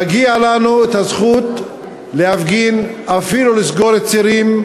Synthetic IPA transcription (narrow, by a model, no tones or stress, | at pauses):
aɡialanuet̪hazχut̪ | lehafɡinafilulisɡo̞ɾet̪t͡siɾim